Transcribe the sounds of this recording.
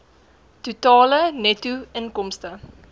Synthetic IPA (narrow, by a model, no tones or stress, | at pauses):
tutɑːlənɛtuənkɔmstə